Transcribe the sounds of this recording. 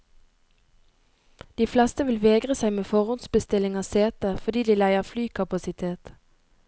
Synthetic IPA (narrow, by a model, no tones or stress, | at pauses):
d̪̥iːflɛst̪əʋɪlʋeːɡʁəsæɪmeːfɔʁʊnsbəst̪ɪlɪŋɑːseːt̪əfɔʁd̪iːd̪iːlæɪəʁflyːkʰɑpɑsɪt̪ʰeːt̪